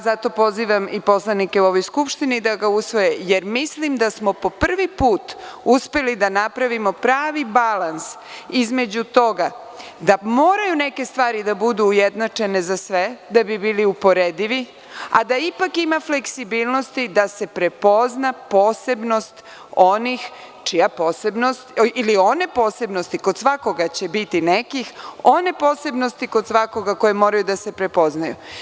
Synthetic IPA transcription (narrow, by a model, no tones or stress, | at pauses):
zat̪o̞po̞ziːʋamipo̞slˠanike̞uo̞ʋo̞jskupʃt̪inid̪aɡausʋo̞jeje̞ɾmislimd̪asmo̞po̞pr̩ʋipuːt̪uspe̞lid̪anapɾaʋimo̞pɾaːʋibalans | izme̞d͡ʑut̪o̞ɡa | d̪amoːɾajuneke̞st̪ʋaːɾid̪abud̪uːjed̪nat͡ʂe̞nezasʋe̞d̪abibiːliupo̞ɾed̪iʋi | a̰d̪aipakimafle̞ksibiːlˠno̞st̪id̪ase̞pɾepo̞znapo̞ːse̞bno̞st̪ | onix | t͡ʃijapo̞ːsebnost̪ilio̞ne̞po̞ːse̞bno̞st̪ikod̪sʋako̞ɡat͡ɕebit̪inekixo̞ne̞po̞ːse̞bno̞st̪iko̞d̪sʋako̞ɡako̞jemo̞ːɾajud̪ase̞pɾe̞po̞znajṵ